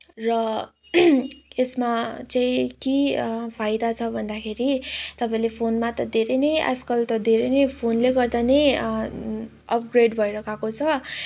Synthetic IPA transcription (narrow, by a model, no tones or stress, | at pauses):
rʌ | esmat͡saĩkipʰajd̪at͡sʰʌbʱʌnd̪akʰeɾit̪ʌpãĩlepʰonmat̪ʌd̪ʱeɾʌnʌjʔa̰skʌlt̪ʌd̪ʱeɾʌjnʌjpʰonleɡʌrd̪anʌj | ʌp̚ɡreɖbʱʌjɾʌkʰakot͡sʰʌ